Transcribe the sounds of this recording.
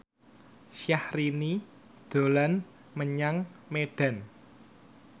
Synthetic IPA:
sjahrini | d̪̥o̤lan | məɲaŋmeɖ̥a̤n

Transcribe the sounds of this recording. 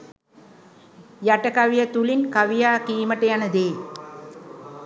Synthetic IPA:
jaʈəkaʋijət̪ulinkaʋijaːkiːməʈəjanəd̪eː

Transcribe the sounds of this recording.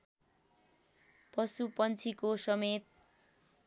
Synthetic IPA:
pʌsupʌnt͡sʰikosʌmet̪̚

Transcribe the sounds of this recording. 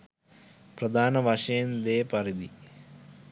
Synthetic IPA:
prɐd̪ʱaːnɐʋɐʂeːnd̪eːpɐɾid̪i

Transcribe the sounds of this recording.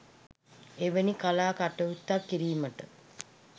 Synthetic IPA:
eʋənikalaːkaʈəut̪ːakːiɾiːməʈə

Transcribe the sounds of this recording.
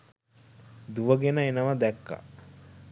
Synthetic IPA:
d̪uʋəɡenəenəʋəd̪ɛkːa̰

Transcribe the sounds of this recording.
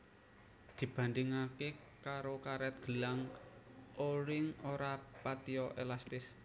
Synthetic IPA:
d̪̥i̤b̥a̤nd̪ɪŋake | kaɾokaɾɛt̪̚ɡ̥ə̤laŋ | ʔoɾɪŋoɾapat̪iɔʔelast̪ɪs

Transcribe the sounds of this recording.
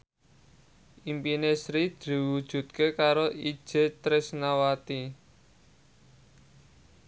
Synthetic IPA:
ʔimpinesɾid̪̥i̤wud̥ʒ̥ṳt̪̚kekaɾoʔi̥ʒ̥e̤t̪ɾɪsnawat̪i

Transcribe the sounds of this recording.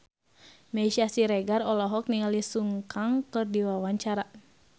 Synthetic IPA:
mɛʃasiɾɛɡarɔlɔɦɔk̚niŋalisuŋkaŋkɨrdiwawaɲt͡ʃaɾa

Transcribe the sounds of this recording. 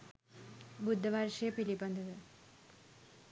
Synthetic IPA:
bud̪ʱːɐʋaːɾʂijɐpilibɐnd̪ʱɐðɨ

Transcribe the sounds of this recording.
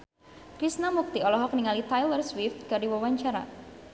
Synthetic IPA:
kɾisnamuk̚t̪iɔlɔɦɔk̚niŋalit̪ajlərswɪft̪̚kadiwawaɲt͡ʃaɾa̰

